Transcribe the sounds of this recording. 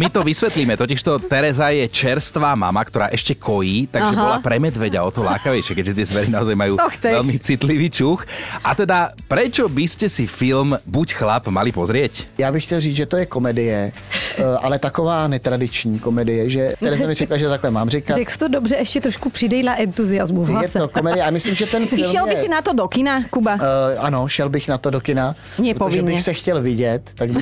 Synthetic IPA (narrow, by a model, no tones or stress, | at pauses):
mit̪ɔʋisʋɛt̪liːmɛt̪ɔciʃt̪ɔt̪ɛɾɛzajɛt͡ʃɛɾst̪ʋaːma̰makt̪ɔɾaːʔɛʃcɛkʰɔjiːt̪aʒɛɦbɔlapɾɛmɛd̪ʋɛɟaɔt̪ɔla̰ːkaʋɛjʃɪɛkɛɟʒɛt̪ɪɛzʋɛɾinaɔzajmajuːxt͡sɛɛlmit͡sit̪liʋiːt͡ʃuxʔat̪ɛd̪apɾɛt͡ʃɔbiscɛsifilmbucxlapmalipɔzɾɪɛcjaːbɪxcɛlriːd͡zʒɛt̪ojɛkomɛdɪjɛ | ʔa̰lɛt̪akovaːnɛt̪ɾadɪt͡ʃɲiːkomɛdɪjɛʒɛt̪ɛɾɛsɛmɪɾɛklaʒɛt̪aklɛmaːmrɪkarɛkst̪odobrɛʔɛʃcɛt̪ɾoʃkupr̥ɪdɛjlaʔɛnt̪uzɪjazmujaɛsokomɛɪɛamɪslimʒɛt̪ɛnfɪlʃɛlɛbɪsɪnat̪odokɪnakubaʔanoʃɛlbɪxnat̪odokɪna | ɲɛɾotpoovɪʒɛɲbɪɛxsɛxcɛlvɪɟɛt̪ːak